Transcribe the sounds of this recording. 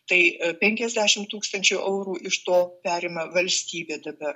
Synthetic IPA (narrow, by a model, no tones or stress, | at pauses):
t̪ɐɪpʲɛŋʲkʲɛzʲd̪ʲæːʃʲɪmt̪uːkst̪ɐnʲt͡ʃʲuʔɛʊɾuːʔɪʃt̪oːpʲæːɾʲeːmɐʋɐlʲsʲt̪ʲiːbʲeːd̪ɐbɐr